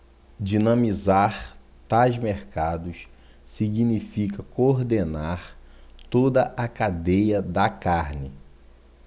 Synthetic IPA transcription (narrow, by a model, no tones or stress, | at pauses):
d͡ʒinɐ̃mizaɾ | t̪ajzmeɾkad̪ʊs | siɡinifikɐkoɾd̪enaɾ | t̪od̪ɐʔakad̪ejɐd̪ɐkaɾnɪ